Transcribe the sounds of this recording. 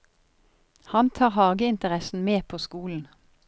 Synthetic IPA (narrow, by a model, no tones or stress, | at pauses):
hɑnt̪ʰɑːʁhɑːɡəɪnt̪əʁɛsn̩meːpʰoːskuːln̩